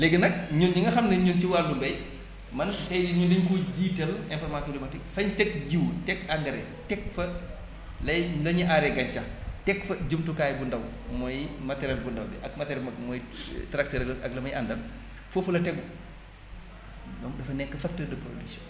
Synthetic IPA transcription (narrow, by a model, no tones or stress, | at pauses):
lɛɡənɐk̚ɲunɲiŋɡɐxɐmnɐɲunt͡ʃiwaːldumbɐj | mɐntɐjdiɲundiɲkuɟiːtɛlɛnfɔrmasɔdimɐtikfɐɲtɛkɟiwtɛkaŋɡɐɾɛ̰ | tɛkfɐ | lɐjlɐɲiʔaɾɛɡɐɲt͡ʃɐtɛkfɐɟumtukaːjbundɐw | mɔjmɐtɛɾɐlbundɐwdḭʔɐkmɐtɛɾɛmɐmɔjtɾak̚tɛɾɐlɐɐɡ̚lɐmɐjʔɐndɐm | fofulɐtɛɡu | dɔŋdɐfɐnɛkːɐfɐk̚tədɐpɾo̰disɔ